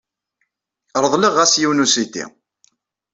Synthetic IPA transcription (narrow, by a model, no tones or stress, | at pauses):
ɾˤəðˤliʁːæsjiwnusit̪ḭ